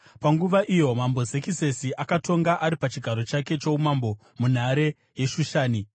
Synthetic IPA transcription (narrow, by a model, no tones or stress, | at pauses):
paŋɡuʋaʔijo̞mambo̞ze̞kise̞siʔakato̞ŋɡaʔaɾipat͡ʃiɡʱaɾo̞t͡ʃake̞t͡ʃo̞umambo̞ | mun̤aɾe̞ | je̞ʃuʃaːni